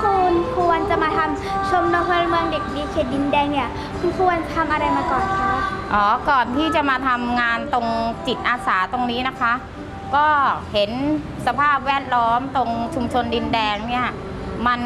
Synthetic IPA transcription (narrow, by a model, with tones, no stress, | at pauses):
kʰu˧nkʰu˧ənt͡ɕa˨˩maː˧t̪ʰa˧m | t͡ɕʰo˧mno˧ŋhʰɤ˧lmɯ˧əŋde˨˩k̚diː˧kʰeː˨˩t̪̚di˧ndɛː˧ŋni˥˩ɐ | kʰu˧nkʰu˧ənt̪ʰa˧mʔa˧ɾa˧jmaː˧kɔː˨˩nkʰa˦˥˩ʔɔː˩˦kɔː˨˩nt̪ʰiː˥˩t͡ɕa˨˩maː˧t̪ʰa˧mŋaː˧nt̪o˧ŋsi˨˩t̪̚ʔaː˧saː˩˦t̪o˧ŋniː˦˥na˦˥kʰa˦˥ʔ | kɔː˥˩he˩˦n | sa˧pʰaː˥˩p̚wɛː˥˩t̪̚lɔː˦˥mt̪o˧ŋt͡ɕʰu˧mt͡ɕʰo˧ndi˧ndɛː˧ŋni˥˩ɐ | ma˧n